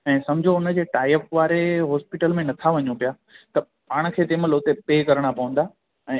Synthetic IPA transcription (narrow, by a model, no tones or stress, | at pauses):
ɛ̃ːsɐmd͡ʑʱoʊnə̆d͡ʑeːʈaːɪəfʋaːɾeɦɔːspiʈəlmẽnɐt̪ʰaʋɐɲupijaː | t̪ɐ | paːɽ̃̆kʰeːt̪eːməloːt̪epeːkɐɾəɽ̃apɐʋə̃n̆d̪aː | ɛ̃ː